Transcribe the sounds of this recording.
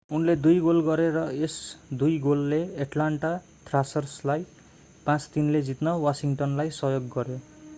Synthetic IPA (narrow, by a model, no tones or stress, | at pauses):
unled̪ujɡolɡʌɾeɾʌesd̪ujɡolːeeʈlaɳʈa | t̪rasʌrslaj | pãt͡st̪inled͡zit̪nʌwasiŋʈʌnlajsʌɦjoɡːʌɾjo